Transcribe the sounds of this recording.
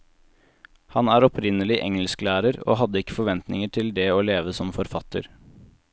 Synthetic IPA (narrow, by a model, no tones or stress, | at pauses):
hɑnæːɾɔpʰɾɪnəlɪʔɛ̰ŋəlsklæːɾəɾo̰ːɦɑd̪əɪkːə̥fɔɾʋɛnt̪nɪŋəʈʰɪld̪ɛːoːleːʋəsɔmfɔɾfɑt̪ə̰ɾ